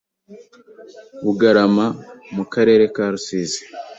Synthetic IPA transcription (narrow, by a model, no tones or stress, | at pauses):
βuɡaɾamamukaɾe̞ːɾe̞kaːɾusiːze̥